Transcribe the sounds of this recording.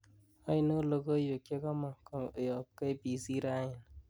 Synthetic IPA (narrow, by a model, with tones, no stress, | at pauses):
a˦i˦no˦lo˨ko˦jo˨kje˦ka˦ma˨ko˨jɔ˨p̚ke˦bi˨si˦ɾa˦ɲɪ˨n